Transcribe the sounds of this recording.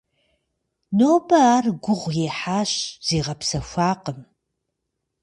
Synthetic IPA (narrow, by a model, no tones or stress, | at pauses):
noːbɐaːrɡʷʊʁʷjeːħaːɕz̥eːʁɐpsɐʃʷaːqəm